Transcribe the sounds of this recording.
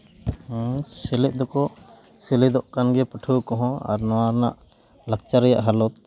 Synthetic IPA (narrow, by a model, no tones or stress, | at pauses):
silɛʔ̚ˀd̪ɔkɔ | silɛd̪ɔʔkanɡɛpəʈʰukɔɦɔ̃a̰ɾnɔwaɾna̰ʔ | lak̚t͡ʃaɾɛja̰ʔɦalɔt̪̚